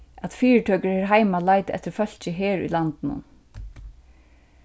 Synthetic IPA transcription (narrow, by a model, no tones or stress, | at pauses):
at̪fiːɹʈ̪ʰœːkəɹhɛːɾɦaɪjmalajt̪ɪɛ̰t̪əɾfœl̥t͡ɕəɦɛːɹṵjlant̪ɪnʊ̰n